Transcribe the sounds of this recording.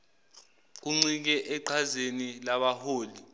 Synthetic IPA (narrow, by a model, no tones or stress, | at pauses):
k̬uŋ͡ǀik̬ɛʔɛǃʰazenilaɓahoːli